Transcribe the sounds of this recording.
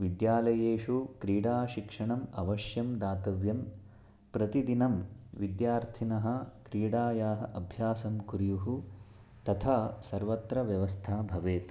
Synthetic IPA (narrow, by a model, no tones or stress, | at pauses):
ʋid̪jaːlɐjeːʂukɾiːɽaːʃikʂɐɳɐmɐʋɐʃjɐmd̪aːt̪ɐʋjɐm | pɾɐt̪id̪inɐmʋid̪jaːɾt̪ʰinɐɦɐ̆kɾiːɽaːjaːɦɐʔɐbʱjaːsɐmkuɾijuɦu | t̪ɐt̪ʰaːsɐɾʋɐt̪ɾɐʋjɐʋɐst̪ʰaːbʱɐʋeːt̪